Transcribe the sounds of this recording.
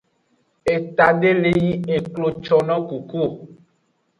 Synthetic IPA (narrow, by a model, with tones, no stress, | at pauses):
e˨t̪a˨ɖe˦le˦ji˦e˨klo˨t͡ʃɔ˨nɔ̃˦ku˨ku˦˨